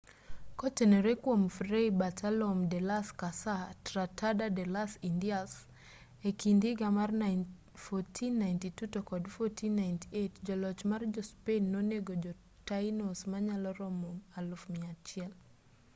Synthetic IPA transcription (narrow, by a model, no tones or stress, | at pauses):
kɔtɛnɛɾekwomfreibatʰalɔmdɛlaskasatɾatʰadadɛlasindias | ekindiɡamarna | fɔtʰinːajntitutɔkɔdfɔtʰinːajntietd͡ʒɔlɔt͡ʃmard͡ʒɔspenːɔneɡod͡ʒɔ | tainosmaɲalɔɾɔmɔmalɔfmiat͡ʃɪɛl